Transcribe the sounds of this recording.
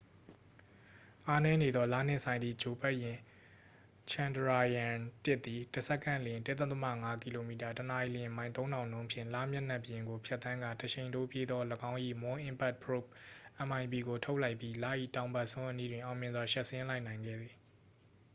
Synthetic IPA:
ʔa˦nɛ˦ne˨d̪ðɔ˦la̰˦˨n̥ɪ̰̃˦ʔsã˨ɪ̃nd̪ði˨d͡ʑo˨pɛ˦ʔjɪ̃˨ | t͡ɕʰã˨ndəɹa˨jã˨tɪ˦ʔt̪ːi˨tə˨sɛ˦kʰːã̰˦˨lɪ̃˨ntɪ˦t̪ə̃˦t̪ə˦ma̰˦˨ŋa˦ki˨lo˨mi˨ta˨təna˨i˨lɪ̃˨mã˨ɪ̃nt̪̬õ˦ʊ̃ndã˨ʊ̃nõ˦ʊ̃pʰjɪ̰̃˦˨la̰˦˨mja˦na˦˨bə˨jɪ̃˨ŋɡo˨pʰjɛ˦t̪ːã˦ŋɡã˨təɕʰẽ˨ɪ̃ndo˦˨pje˦d̪ðɔ˦ləɡã˦ʊ̃ʔḭ˦˨mʊ̃˦ʔɪ̃˨mpɛ˦˨t̚pʰɹo˦˨p̚ʔə˨mã˨ɪ̃mpi˨ɡo˨tʰo˦ʊʔla˦ɪpji˦la̰˦˨ʔḭ˦˨tã˨ʊ̃mba˦ʔsʊ̃˦ʔəni˦dwɪ̃˨ʔã˨ʊ̃mjɪ̃˨nzwa˨ʃa˦˨ʔsɪ̃˦la˦ɪʔnã˨ɪ̃ŋɡɛ̰˦˨d̪ði˨

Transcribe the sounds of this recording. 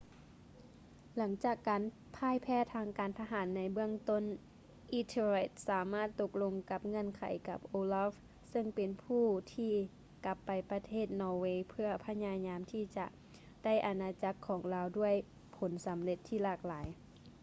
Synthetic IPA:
la˩˦ŋt͡ɕaː˨˩kːa˨˦n | pʰaː˧˥˨jpʰɛː˧˩t̪ʰaː˧ŋkaː˨nt̪ʰa˧ɦaː˩˦nːa˧˥jbɯ˥˩əŋt̪o˥˨n | ʔi˧˥t̪ʰːe˧˩t̪̚saː˨˦maː˥˩t̪ːo˧k̚lo˧ŋka˧˦p̚ŋɤ˧˥˨nkʰa̰˨˩˦jka˧˦p̚ʔoː˧laː˧˥f | sɤ˧ŋpe˨npʰuː˧˥˩t̪ʰiː˧ | ka˧˦pːa˨˩jpa˧t̪ʰeː˥˩t̪̚nɔː˧weː˧pʰɯ˧˩ɐpʰa˧ɲaː˧ɲaː˧mt̪ʰiː˧˩t͡ɕa˧ʔ | da˥˩jʔa˧naː˧t͡ɕa˧˥kʰːɔː˩˦ŋlaː˧wdu˥˩əj | pʰo˨˦nsa˨˦mle˧˦t̪ʰːiː˧˩laː˧˩k̚laː˩˨˦j

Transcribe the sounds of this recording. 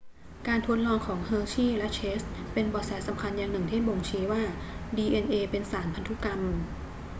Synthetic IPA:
kaː˧nt̪ʰu˦˥ət̪̚lɔː˧ŋkʰɔː˩˦ŋɦɤː˧t͡ɕʰiː˥˩lɛ˦˥ʔt͡ɕʰeː˦˥st̪̚pe˧nbɔː˨˩sɛː˩˦sa˩˦mkʰa˧njaː˨˩ŋnɯ˨˩ŋt̪ʰiː˥˩bo˨˩ŋt͡ɕʰiː˦˥waː˥˩diː˧ʔe˧nʔeː˧pe˧nsaː˩˦npʰa˧nt̪ʰu˦˥ka˧m

